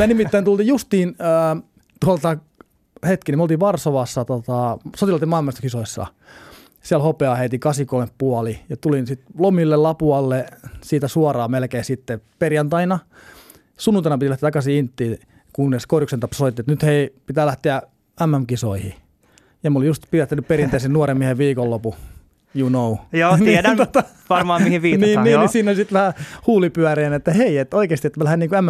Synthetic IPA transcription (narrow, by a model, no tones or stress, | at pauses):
mænimit̪ːæint̪ult̪iːjust̪iːnəː | t̪uɑlt̪ɑ | het̪kinimolt̪iːʋʋɑrsoʋɑsːɑt̪ot̪ɑsot̪ilɑt̪imɑˑilmɑisɑ̥kisoisːɑ̰ | siælhopeɑˑheit̪ikɑsikoimeppuɑlijɑt̪ulinsit̪lomilːellɑpuɑlːesiːt̪æsuɑrɑːmelkeːsit̪ːeperjɑnt̪ɑinɑ | sunːunt̪ɑinɑpiilæht̪eæt̪ɑkɑsiint̪ːiː | kunːeskorjuksent̪ɑpssoit̪ːiet̪nyt̪heipit̪æːlæht̪eæ | æmːæmkisoihi | jɑmolijust̪piæt̪ːænypperiɑnt̪ɑisennuoremieheʋʋiːkollopu | junoujoːniedænt̪ot̪ɑ | ʋɑrmɑɑmmihiʋʋiːtniːniːisiːnolisit̪ʋæhæhuːlipyæreːnet̪ːæheiet̪oikeːst̪iet̪ːmælæhænniŋkuæmːæ